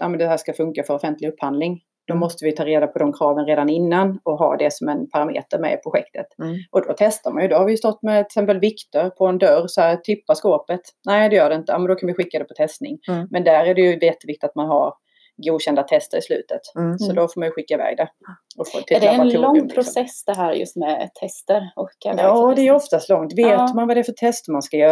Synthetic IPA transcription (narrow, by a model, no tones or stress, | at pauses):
ʔaːmɛnd̪ɛhæːʂkafɵŋkafœɾɔfɛnt̪ʰlɪɵpːhand̪lɪŋ | d̪̥ɔmɔst̪əvɪjɵt̪ʰɑːɾeːd̪apʰɔd̪ɔmkʰɾɑːvənɾeːd̪anɪnːanɔɦɑ̰ːd̪ɛsɔmɛnpʰaɾamḛːt̪əɾmɛ̰pʰɾʊɧɛk̚t̪ʰət̪ʔɔd̪ɔt̪ʰɛst̪aɾmanjɵd̪ɔhaɾvɪjɵst̪ɔt̪ːmɛt̪ɛɪsɛmpəlvɪkt̪əɾpʰɔɛnd̪œrsɔhæːɾt̪ʰʏpːaskoːpət̪ | nɛɪd̪ɛjœːɖɛɪnt̪əja̰mɛnd̪ɔkʰanvɪɧɪkːad̪ɛpʰɔt̪ʰɛst̪nɪ̰ŋmɛnd̪æɾæɖɛjɵjɛt̪ːəvɪkt̪ɪt̪at̪manɦa̰ɾ | ɡuːd̪ɕɛnd̪at̪ʰɛst̪əɾɪslʉ̟̰ːt̪ət̪sɔd̪ɔfoːɾmanjɵɧɪkːaɪvɛ̰ːɡ̚d̪ɛɔfot̪ʰɪdɛlɔŋpʰɾʊsɛsd̪ɛɦæːɾjɵ̰st̪mɛt̪ʰɛst̪əɾɔɾaɑːd̪ɛæɾjɔft̪ast̪lɔŋt̪veːt̪manvad̪ɛæfœʈ̪ʰɛst̪əmanskajœː